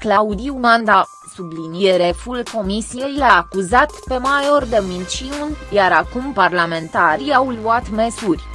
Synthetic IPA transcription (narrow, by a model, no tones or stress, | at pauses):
klaud̪iunand̪a | sublinieɾe̞fulko̞misije̞jlaːkuzat̪pe̞majo̞rd̪emint͡ʃiunjaɾakumparlame̞nt̪aɾiawluat̪mesurʲ